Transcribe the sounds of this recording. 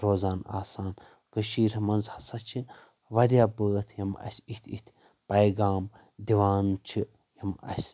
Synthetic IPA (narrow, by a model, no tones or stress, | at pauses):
ɾoːzaːna̰ːsaːn | kəʃiːɾʲɐmɐnzhɐsɐt͡ʃʰin | ʋɐɾʲjaːbəːt̪ʰjɐmɐ̰sʲit̪ʲʰit̪ʰʲ | pɐjɡaːm | d̪iʋaːnt͡ʃʰi | jɐmɐ̰sʲ